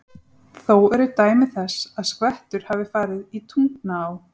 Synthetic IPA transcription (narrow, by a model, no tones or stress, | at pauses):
θowɛɾʏt̪aːjmɪθɛsaðskvɛht̪ʏɾ̥havɪfaːɾɪðit̪ʰuŋknaːw